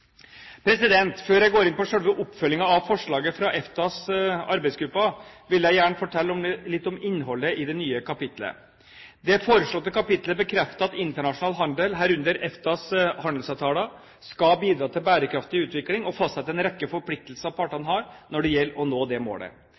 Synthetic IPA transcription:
pʰɾɛsɪd̪ɛnt̪føːɾjæɪɡoːɾɪnpɔʂɛlʋəʔʊpːfœlːɪŋɑɑʋfɔʂɭɑːɡəfɾɑʔɛft̪ɑsɑ̰ɾbæɪsɡɾʉpːɑʋɪljæɪjæːɳəfɔʈʰɛlːɔmlɪt̪ːɔmɪnːɦɔlːəʔɪd̪ɛnyːəkʰɑpɪt̪lə̰ | d̪ɛfoːɾəʂɭɔt̪ːəkʰɑpɪt̪ləbəkʰɾɛft̪əɑt̪ɪnt̪əɳɑʂʊnɑːlɦɑnd̪əlɦæːɾʉnd̪əɾɛft̪ɑshɑnd̪l̩sɑʋt̪ʰɑːlɑ | skɑbiːd̪ɾɑːt̪ʰɪlbæːɾəkɾɑft̪ɪʉːt̪ʋɪklɪŋɔfɑst̪sɛt̪ːɛnɾɛkːəfɔɾpʰlɪk̚t̪l̩səɑʋpʰɑːʈːɑnɦɑːɾnɔɖɛjɛlːɔnoːd̪ɛmo̰ːɽə̰

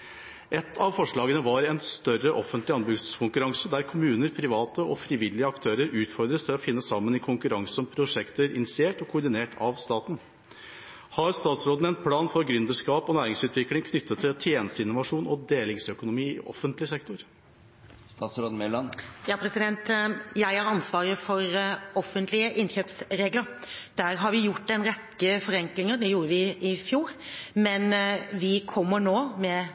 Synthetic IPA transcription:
ɛt̪ʰːɑʋfɔʂɭɑːɡənəʋɑɾɛnst̪œɾəʔɔfənt̪lɪɑnbʉɡkʰʊŋkʉɾɑŋsəd̪æɾkʰʊmʉːnəɾpʰɾɪʋɑːt̪əɔfɾɪʋɪlːɪəɑkt̪ʰøːɾəɾʉːt̪fɔɾd̪ɾəst̪ʰɪlɔfɪnːəsɑmːənɪkʰʊŋkʉɾɑŋsɔmpʰɾʊʂɛkt̪əɾɪnɪt̪sɪeːʈɔkʰʊɖɪneːʈʰɑʋst̪ɑːt̪n̩ | hɑɾst̪ɑːt̪sɾoːd̪nɛnt̪̚pʰlɑːnfɔɾɡɾʏnd̪əʂkɑːpɔnæːɾɪŋsʉːt̪ʋɪklɪŋkʰnʏt̪ʰːət̪ʰːɪlt̪ʰjeːnəst̪əɪnːʊʋɑʂuːnɔd̪eːlɪŋsœkʊnʊmiːɪ̰ʔɔ̰fənt̪lɪsɛk̚t̪ʊɾ | st̪ɑːt̪sɾoːd̪̩mɛlɑnjɑːpʰɾɛsɪd̪ɛnt̪jæɪhæɾɑnsʋɑːɾəfɔɾɔfːənt̪ʰlɪəʔɪnçøːpsɾeːɡləɾd̪̥æːɾɦɑɾʋɪjʊʈːɛnɾɛt̪ːəfɔɾɛŋklɪŋəɖ̪ɛjuːɾəʋɪʔɪfjuːɾmɛnʋɪkʰɔmːəɳoːmɛ

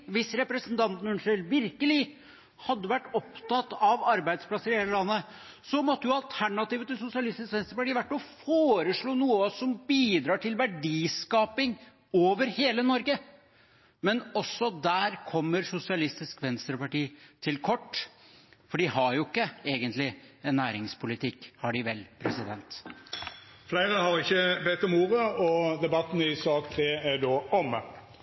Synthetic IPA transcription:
ʋɪsɾɛpɾəsənt̪ʰɑnt̪nʉnʂəlʋɪɾkəlɪ | hɑd̪ːəʋæʈːɔpt̪ɑt̪ːɑʋɑɾbæɪd̪spʰlɑsːəɾɪheːləlɑnːə | sɔmɔt̪ːəjʊɑlt̪ʰæɳɑt̪iːʋət̪ɪlsʊsɪɑlɪst̪ɪskʋɛnst̪ɾəpɑʈiːʋæʈːɔfoːɾəʂɭuːnuːəsɔmbiːd̪ɾɑːʈʰɪlʋæɖiːskɑːpɪŋ | oːʋəɾheːlənɔɾɡə | mɛnɔsːɔd̪æːɾkʰɔmːəɾsʊsɪɑlɪst̪ɪskʋɛnst̪ɾəpɑʈiːt̪ʰɪlkʰɔʈː | fɔɖɪhɑɾjʊɪkːəeːɡənt̪lɪ | ɛnːæːɾɪŋspʰʊlɪt̪ʰɪkːhɑɖɪʋɛlpʰɾɛsɪd̪ɛnt̪ | flæɪʁəhɑʁɪçːəbɛt̪ːɔmuːʁəɔd̪ɛbɑt̪ːnəɪsɑːkt̪ʰʁeːæɖoːɔmːə

